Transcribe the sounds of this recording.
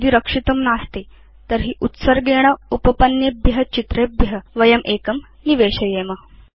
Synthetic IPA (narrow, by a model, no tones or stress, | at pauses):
d̪iːɾəkʂit̪əmnaːst̪i | t̪əɾɦiːʔut̪səɾɡeɽ̃ɐupəpɐnjebʱjɦɐt͡ɕit̪ɾebjəʋɐjɐmʔekɐm | niʋeɕɐjemɐ